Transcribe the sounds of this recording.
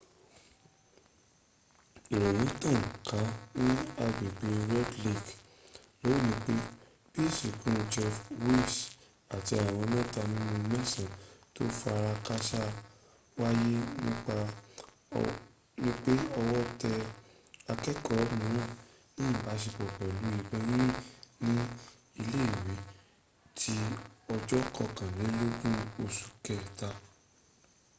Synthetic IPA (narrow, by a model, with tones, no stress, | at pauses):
i˨ɾo˨jĩ˨˦tɔ̃˦˨n̩˨ka˨˦nĩ˦a˧ɡ͡bi˨ɡ͡bi˨˧ɾɛ˦dli˦˨k | lo˨˦i˦˨nĩ˧˦k͡pe˦ | b̥i˦˨si˨kũ˦d͡ʒɔ˧fwe˦˨s | a˨ti˧a˨w̃ɔ̃˧mɛ̃˦˨ta˧nĩ˦ũ˧mɛ̃˦sã˦˨to˦fa˧ɾa˧ka˦ʃa˦ | wa˦je˦nĩ˦k͡pa˧ | nĩ˦k͡pe˦ɔ˧wɔ˦tɛ˧ | a˧kɛ˦kɔ˦˨˦mĩ˨ɾ̃ã˦˨ | nĩ˦˨ba˨˦ʃ̬e˧bɔ˨ɡ͡bɛ˨lu˨˦i˦˧˨bɛ˦jĩ˦nĩ˦ | i˧le˦i˨we˨˦ | tʰi˦ɔ˧d͡ʒɔ˦kɔ˧˨kã˨le˨˦lo˦ɡũ˦o˧su̥˨kɛ˨ta˧